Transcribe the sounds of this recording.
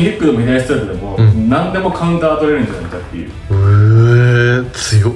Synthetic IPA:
ikːɯd̪ominaist̪ɾak̪ed̪emonãnd̪e̞mo̞kʰãɯ̃nt̪aːt̪oɾeɾɯ̃ɲd͡ʑanakkat̪ːe̞̰jɯ̰ːɯ | t͡sɨjo

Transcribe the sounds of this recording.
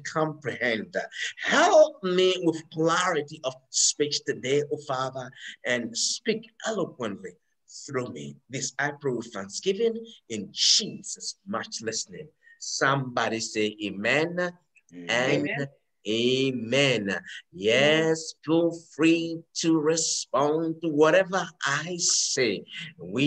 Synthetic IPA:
kʰɑ̃mpɹihɛ̃ndhɛlˠp̚miwɪð̥kʰlæɹɨɾiʔʌv̥spit͡ʃtʰɨdeɪʔofɑðə˞ʔɨ̃nspikɛləkwə̃nʔli | θɹumḭðɪsaɪpʰɹu̥θæ̃nsɡ̥ɪvɨ̃nɨ̃nd͡ʒiz̥əsmʌt͡ʃlɪsnɪ̰̃ŋ | sʌ̃mbɑɾiseɪʔemɛ̃n | ʔɨ̃n | emɛ̃njɛsɡofɹiɾʰɨɹɪspɑ̃ntəwʌɾɛvə˞ʔaɪseɪwi

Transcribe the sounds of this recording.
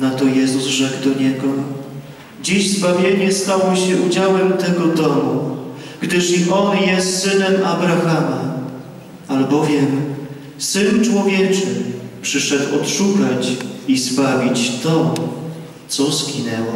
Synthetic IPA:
nat̪ɔjɛzuzʐɛɡd̪ɔɲɛɡɔ | d͡ʑiʑzbavʲjeɲɛst̪awɔɕɛʔud͡ʑawɛmt̪ɛɡɔd̪ɔmu | ɡ̥d̪ɘʂiʔɔnjɛst̪ːɘnɛmabɾaxama | albɔvʲjɛm | sɘnt͡ʂwɔvʲjɛt͡ʂɘpʂɘʂɛd̪wɔt̪ʂukat͡ɕizbavʲit͡ɕt̪ɔ | t̪sɔzɡʲinɛwɔ

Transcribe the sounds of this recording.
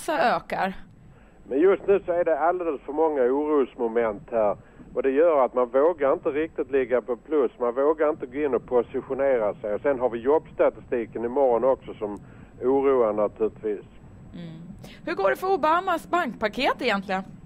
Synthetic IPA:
saøːkaɾ | mɛnjɵst̪nʉ̟ːsɔæɾɖɛald̪eːləsfœɾmɔŋːauːɾuːsmʊmɛnt̪hæːɾɔd̪ɛjœːɾat̪manvoːɡaɾɪnt̪əɾɪk̚t̪ɪt̪lɪɡːapʰɔpʰlɵsmanvoːɡaɾɪnt̪əɡoːɪnːɔpʰʊsɪɧʊneːɾasɛjɔsɛnɦaɾvɪjɔbst̪at̪ɪst̪iːkənɪmɔɾɔnɔksɔsɔm | uːɾuːanat̪ʰʉlɪt̪viːs̩ | hɵɡoːɖɛfœɾʊbaːmasbaŋk̚pʰakʰeːt̪ɛjɛnt̪lɪɡən

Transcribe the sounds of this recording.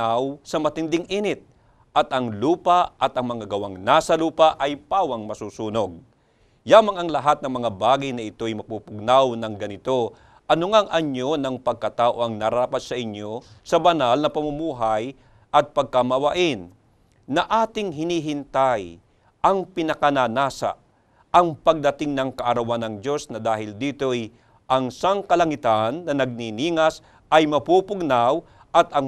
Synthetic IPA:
awsɐmɐt̪ɪnd̪ɪŋʔinɪt̪̚ | ʔɐt̪ɐŋluːpaʔɐt̪ɐŋmɐŋaɡɐwaŋnasɐluːpɐʔɐjpaːwɐŋmɐsuːsuːno̞ɡ̚ | jaːmɐŋɐŋlɐɦat̪̚nɐŋmɐŋabaːɡɐjnɐɪt̪o̞ɐjmɐpupʊɡ̚nawnɐŋɡɐnɪt̪o̞ | ʔɐnʊŋaŋʔɐɲjo̞nɐŋpɐɡ̚kɐt̪aːʔo̞ʔɐŋnɐɾaːpɐt̪̚sɐʔɪɲːo̞sɐbɐnalnɐpɐmumuːɦɐj | ʔɐt̪̚pɐɡ̚kɐmɐwɐʔɪnː | ɐʔaːt̪ɪŋɦɪniːɦɪnt̪aj | ʔɐŋpɪnɐkɐnanaːsɐ̰ | ʔɐŋpɐɡ̚d̪ɐt̪ɪŋnɐŋkɐʔɐɾɐwanɐŋd͡ʒo̞snɐd̪aːhɪld̪iːt̪o̞j | ʔɐŋsaŋkɐlɐŋɪt̪anːɐnɐɡ̚niniːŋɐs | ɐjmɐpupʊɡnaw | ʔɐt̪ɐŋ

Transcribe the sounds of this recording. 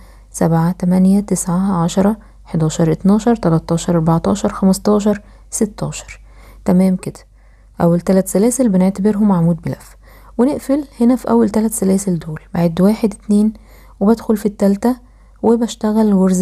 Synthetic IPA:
sæbʕat̪æmænjæt̪esʕaʕɑʃɑɾˤɑ | eħd̪ɑːʃɑɾˤʔet̪nɑːʃɑɾˤt̪ælæt̪ːɑːʃɑɾˤʔɑɾˤbɑʕt̪ˤɑ̰ːʃɑɾˤxæmɑst̪ɑːʃ̬ɑɾˤ | set̪ːɑːʃɑ̥ɾˤ | t̪æmæːmked̪æ̥ | ʔæwːælt̪ælæt̪sælæːselbeneʕt̪æbeɾɦomːaʕmuːd̪̚belæfː | weneʔfelhenæfiʔæwːælt̪ælæt̪sælæːseld̪oːlbaʕed̪wæːħed̪et̪neːn | webæd̪xolfit̪ːælt̪æ | webæʃt̪æɣælɣoɾz

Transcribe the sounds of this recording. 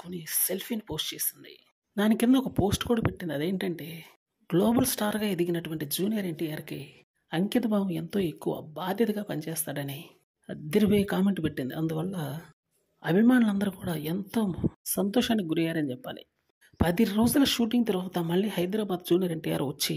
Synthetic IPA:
konːise̞lpʰiːnpo̞ːsʈt͡ʃeːsind̪ḭ | d̪aːnikind̪ɐɔkɐpo̞ːsʈkuːɽaːpe̞ʈːind̪ɐd̪e̞ːɳʈɐɳʈe̞ː | ɡloːbɐlsʈaːɾɡaːed̪iɡinɐʈuʋɐɳʈid͡ʒuːnijɐɾe̞ɳʈijaːɾki | ɐŋkit̪ɐbaːʋɐment̪o̞ːekːuʋɐ̰ːbaːd̪ʱjɐt̪ɐɡaːpɐnt͡ʃɛːst̪aːɽɐni | ɐd̪iɾipoːjekaːme̞ɳʈpeʈːind̪iɐnd̪uʋɐɭːɐ | ɐbʱimaːnulɐnd̪ɐɾukuːɽaːent̪oːsɐnt̪ɔːʂaːnːikɡuɾijaːɾɐnit͡ʃɛpːa̰ːlḭ | pɐd̪iɾoːd͡ʒulɐʃuːʈ̬iŋɡt̪ɐɾuʋaːt̪ɐmɐɭːiːhɐjd̪ɾaːbaːd̪d͡ʒuːnijɐɾe̞ɳʈija̰ːɾʋɐt͡ʃːi

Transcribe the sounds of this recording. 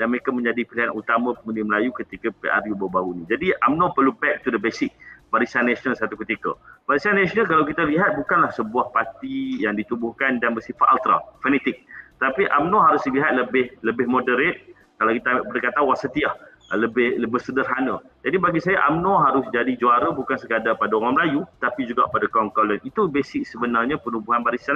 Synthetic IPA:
danməɾekamə̃ɲd͡ʒadipiliɦanut̪amə̃pəŋudiməlajukət̪ikəpḛʔa̰rjubaubaɡunid͡ʒadiʔamnɔ̃pərlubɛk̚t̪udəbesɪk̚baɾisanːɛsɔnəlsat̪ukət̪ikə̰baɾisanːɛsinəlkalawk̬it̪əliɦat̪̚bukanlahsəbuahpat̪ijaŋdit̪ubʊhkandanbəsifat̪alt̪ɾa̰fɛnɛt̪ɪk̪̚ət̪apiʔamnɔ̃ɦaɾʊsdiliɦat̪̚ləbɪhləbɪhmodəɾet̪̚ | kalawkit̪aaʔpədəkat̪awasət̪iah | ləbɪhləbɪhsədərɦanəd͡ʒadibaɡisajaʔamnɔ̃ɦaɾʊsd͡ʒadid͡ʒuaɾəbukansəkadapadaoŋaŋməlajut̪apid͡ʒuɡa̰ʔpadakɔŋkɔlənit̪ubesɪk̚səbənarɲapənubuɦanbaɾisan

